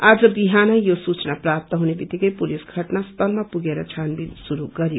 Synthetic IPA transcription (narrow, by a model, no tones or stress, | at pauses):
ad͡zʌbiɦanʌjosut͡snaprap̚t̪ʌɦunebit̪ːikʌjpulisɡʱʌʈnast̪ʰʌlmapuɡeɾʌt͡sʰanbidsuɾuɡʌɾjo